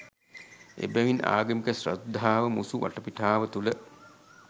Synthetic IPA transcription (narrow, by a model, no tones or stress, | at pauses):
ḛbɛʋina̰ːɡəmikəsrɐd̪ʱːaːʋəmusuʋʔɐ̰ʈəpiʈʰaːʋət̪ulə